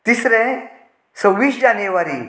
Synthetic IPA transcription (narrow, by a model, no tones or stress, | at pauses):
t̪isɾẽ | səwʋiːʃd͡ʒanjeʋaɾi